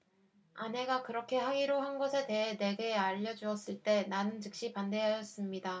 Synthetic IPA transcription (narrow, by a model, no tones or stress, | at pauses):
ane̞ɡakɯɾʌkʰe̞ɦaɡiɾoɦanɡʌsʰe̞te̞ɦene̞ɡeaʎːʌd͡ʑuʌs͈ɯɭt͈e̞nanɯnt͡ɕɯk̚ɕ͈ipande̞ɦajʌs͈ɯmɲida